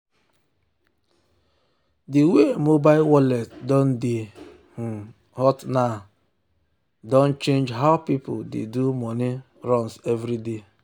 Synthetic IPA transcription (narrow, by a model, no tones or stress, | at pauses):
diwemobaɪlwɔlɛtdɔn̩de | h̩ | hɔtna | dɔ̃n̩t͡ʃẽnd͡ʒɦaʊpipʊdḛdumɔni | ɾɔnsevɾide